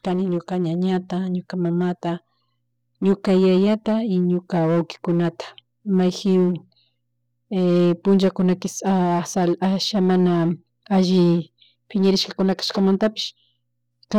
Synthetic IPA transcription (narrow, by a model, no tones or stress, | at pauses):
kanɪɲʊkaɲaɲat̪aɲʊkamamat̪a | ɲʊkajajat̪aɪɲʊkawawkɪ̥kʊnat̪ḁ | majxɪ | epʊnt͡ʃakʊnakɪsasalaʃamana | aʒɪ | pʰɪɲaɾɪʃkakʊnakḁʃkamant̪apɪ̥ʃ | ka